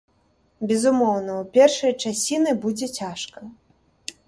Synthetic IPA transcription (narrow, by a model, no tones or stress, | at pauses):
bʲɛzumɔwnɐupʲɛrʂɐjt͡ʂasʲinɨbud͡zʲɛt͡sʲaʂkɐ